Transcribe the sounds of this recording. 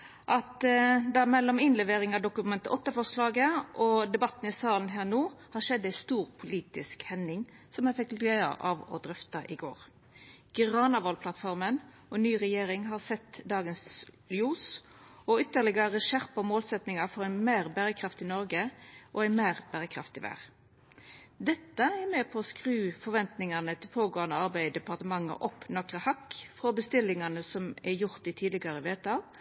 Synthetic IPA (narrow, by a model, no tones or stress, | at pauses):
ʔɑt̪d̪æmɛlːɔmɪnlɛʋeːɾɪŋɑʋd̪ʊkʉmɛnt̪əʔɔt̪ːəfɔslɑːɡəʔɔd̪ɛbɑt̪ːnɪsɑːlənɦæːɾnuːhɑɾʃɛd̪ːæɪst̪uːʁpʰʊliːt̪ɪskhɛnɪŋ | sɔmjæfɪk̪ːœʏɑ̰ʔɑʋɔ̰d̪ɾʏft̪ɑʔɪɡo̰ːɾ | ɡ̥ʁɑːnɑʋɔlpʰlɑt̪fɔɾmən | ɔnyːʁɛjeːɾɪŋɦɑʁsɛt̪ːd̪ɑːɡənsljuːsɔʏt̪ːəʁlɪɡɑʁəʃæʁpɑmoːlsɛt̪nɪŋɑfɔʁænmeːʁbæɾəkʰɾɑft̪ɪnɔɾɡəʔɔæɪnmeːʁb̥æːʁəkʰɾɑ̰ft̪ɪʋæ̰ːʁ | d̪ɛt̪ːəɛmɛpʰɔskʁʉːfɔɾʋɛnt̪nɪŋɑnət̪ʰɪlpʰoːɡoːɑnd̪əɑʁbæɪd̪ɛpɑʁt̪əmɑŋːə̰ʔɔpːnɑkʁəhɑkːfʁɔbəst̪ɪlːɪŋɑnəsɔmæjʊʁt̪̚d̪ɪt̪ʰiːd̪lɪɡɑʁəʋeːt̪əɑʋ